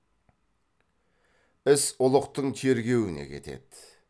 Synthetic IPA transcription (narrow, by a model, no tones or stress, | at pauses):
ɪsʊlˠəqt̪əɴt̪ʰe̞ɾɡʲe̞wɪne̞̰kʲʰe̞̰t̪e̞̰d̪̥